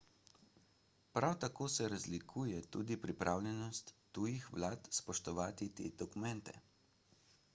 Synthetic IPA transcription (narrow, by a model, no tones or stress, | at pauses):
pɾawt̪akoːsɛɾazlikʰuːjɛt̪uːd̪ipɾipɾʔaːwlʲjɛnɔst̪ːuːjixʋlaːt̪spɔʃt̪ɔʋaːt̪it̪ḛːd̪̥ɔkumɛnt̪ɛ̰